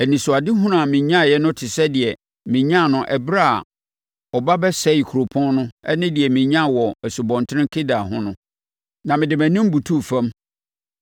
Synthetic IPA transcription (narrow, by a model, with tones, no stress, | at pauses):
æ˨nĩ˨sʊ˨a˨dɪ˦ɦʊ̃˦nʊ̃˦a˨mɪ̃˨ɲã˦˨jɛ˦nʊ̃˦tʰɪ˨sɛ˦dɪ˨ɛ˨ | mɪ̃˨ɲã˦˨nʊ̃˦ʔɛ˨bɾa˦a̰˨ | ɔ˨ba˦bɛ˦sɛ˦i˨kʰu˨ɾo˨pʰɔ̃˦nnʊ̃˦ɛ̰˦nɪ̃˦dɪ˨ɛ˨mĩ˨ɲã˦˨wɔ˨ɛ˨su˨bɔ̃˨ntʰɪ˦ɪ̃˦ŋ˦kʰɪ˦da˨ɦʊ̃˦nʊ̃˦ | nã˨mɪ̃˨dɪ˨mæ̃˨nĩ˦m̩˦bu˨tʰu˦˨fã˦m